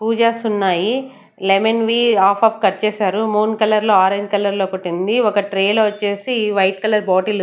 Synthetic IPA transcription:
puːd͡ʒaːsunːaːji | lemenʋiːaːpʰɐp̚kɐɾt͡ʃeːsaːɾumuːnkɐlːɐɾlo̞ːaːɾeɲd͡ʒkɐlːɐɾlo̞ːkoʈːind̪iɔkɐʈɾeːloːʋɐt͡ʃːe̞ːsiʋɐjʈkɐlːɐɾboːʈil

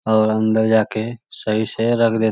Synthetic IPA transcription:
ɔːɾə̃nd̪əɾd͡ʒaːkesəɦiseɾəkʰd̪eː

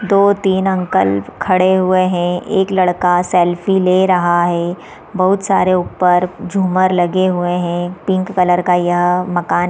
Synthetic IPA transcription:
d̪oːt̪iːnɐ̃ŋkəlkʰɐɽeɦʊeɦɛ̃eːklɐɽkasɛːlfileːɾɐɦaɦɛː | bɐɦʊt̪saːɾeʊpːəɾd͡ʒʱuːməɾlɐɡeɦʊeɦɛ̃pɪ̃ŋkːɐləɾkajɐɦmɐkaːn

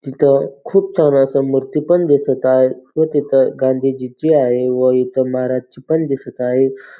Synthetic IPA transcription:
t̪it̪ʰəkʰuːb̚t͡sʰənasəmuɾt̪ipənd̪esət̪aɦeʋət̪it̪ʰəɡãnd̪ʱid͡ʑit͡ɕiaɦeʋəit̪ʰəməɦaɾad͡ʑt͡ɕipənd̪isət̪aɦe

